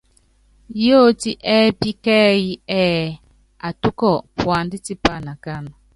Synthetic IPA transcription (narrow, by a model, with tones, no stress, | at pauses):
jo˦˨ti˦ʔɛ˦pi˦kɛ˦ji˦ɛ˦ | a˨tu˦kɔ˦˨pwa˨ndi˦ti˦pa˦˨na˨ka˦˨nɔ˨